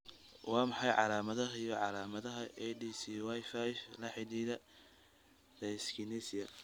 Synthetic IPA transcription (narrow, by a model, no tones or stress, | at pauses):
wɑːmɑħɑjʕɑlaːmɐðɐɦijɔʕɑlaːmɐðɐɦɐʔɛdisiwajfajflɐħɪðiːðɐ | d̪̥ɛskʰinisɪjɐ